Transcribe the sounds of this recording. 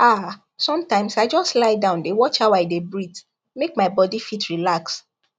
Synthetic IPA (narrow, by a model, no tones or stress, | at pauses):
a | sɔ̃mtãɪ̃msaɪd͡ʒɔstlaɪdãʊ̃ndewɔt͡ʃawaɪdebɹit | mek̚maɪbɔdifitʰɹilaks